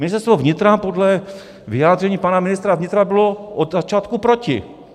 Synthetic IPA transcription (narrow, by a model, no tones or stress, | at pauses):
mɪnɪst̪ɛɾst̪vovɲɪt̪ɾapodlɛ | vɪjaːd̪rɛɲiːpanamɪnɪst̪ɾavɲɪt̪ɾabɪloʔod̪zat͡ʃaːt̪kupɾocɪ̰